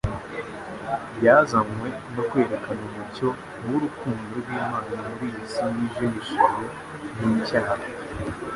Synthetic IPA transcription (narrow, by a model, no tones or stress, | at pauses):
bjazamwe̞ | no̞kwe̞ːɾe̞kʰanuβuɾco̞ | nuɾukuːndoɾɡwiːmaːnamuɾisiniʒimiʃiɾo | nimicaːha